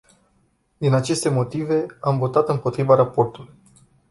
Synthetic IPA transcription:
d̪inat͡ʃe̞st̪e̞mo̞t̪ive̞amvo̞t̪at̪ɨmpo̞t̪ɾivaɾapo̞rt̪uluj

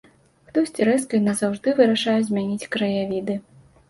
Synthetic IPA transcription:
xt̪ɔsʲt͡sʲiɾɛskɐjnɐzawʐd̪ɨvɨɾɐʂajɛzʲmʲanʲit͡sʲkɾɐjavʲid̪ɨ

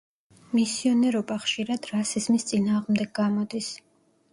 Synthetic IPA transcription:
misiɔnɛɾɔbaχʃiɾad̪̥ɾasizmist̪sʼinaːʁmd̪ɛɡ̚ɡamɔd̪is

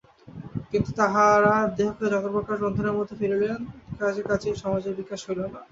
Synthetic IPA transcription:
kint̪ut̪aɦaɾad̪eɦɔkːad͡ʑɔkoɾpoɾkaʃbond̪ʰʱonaɾmot̪ʰːefiɾelenkad͡ʑeɾkat͡ɕʰeʃɔmad͡ʑeɾbikːaʃɦojlena

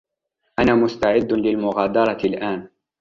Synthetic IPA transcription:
ʔanaːmʊst̪aʕɪd̪ːlɪlmʊɣaːd̪ɑɾˤɑlʔaːn

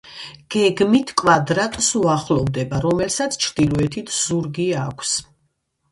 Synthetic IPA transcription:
ɡ̥ɛɡmit̪ʰkʼwad̪ɾat̪ʼsuaχlɔvd̪ɛbaɾɔmɛlsat̪sʰt͡ʃʰɾd̪ilˠɔɛt̪ʰit̪ʰz̥uɾɡiakʷʰs

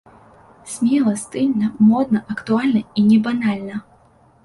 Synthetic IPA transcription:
sʲmʲɛlˠɐst̪ɨlʲnɐmɔd̪̚nɐʔɐkt̪ualʲnɐinʲɛbanalʲnɐ

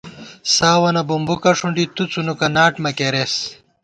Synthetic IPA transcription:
saːwɐnɐbumbukɐʂuɳɖit̪ut͡sunukɐnaːʈmɐkeɾes

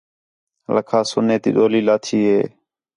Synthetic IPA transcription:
ləkʰaːsʊneːt̪ḭːɗoːliːlaːt̪ʰiːɦeː

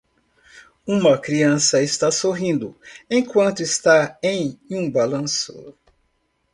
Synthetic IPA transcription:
ũmɐkɾiɐ̃sɐɪst̪asoɦĩnd̪ʊẽj̃kwɐ̃nt̪ʊest̪aẽj̃ũbalɐ̃sʊ̰

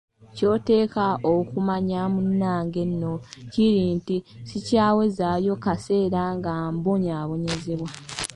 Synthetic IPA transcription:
co̞ːte̞ːkaokumaɲamunːaːŋɡe̞nːo̞ciɾiːntisicaːwe̞zajo̞kase̞ːɾaŋɡamboɲaːβo̞ɲe̞zeβwa

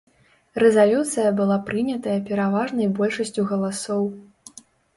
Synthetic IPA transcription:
rɛzalʲut̪sɨjɐbɨlˠapɾɨnʲɐt̪ɐjɐpʲɛɾavaʐnɐjbɔlʲʂɐsʲt͡sʲuɣɐlˠasɔw

